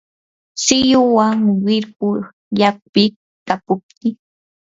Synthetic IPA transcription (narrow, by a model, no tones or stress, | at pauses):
sɪjʊwaŋwɪɾkʊɾ | jak̚pɪ | kapʊp̚t̪ɪ